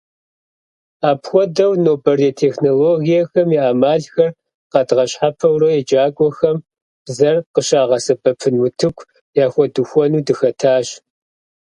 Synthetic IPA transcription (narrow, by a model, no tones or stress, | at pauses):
aːpxʷɔdɐwnoːbɐretʰeːxnoloːɣijɐxɐmiʔaːmaːɮxɐr | qɑdʁɐɕħapʰɐwrɐjɛd͡ʒaːɡʷʼɔxɐm | b̥zɐrqəɕaːʁɐsɐbɐpʰɨnwʊtʰɨkʷʰ | jaːxʷɔdɨxʷɔnuːdɨxɐtʰaːɕ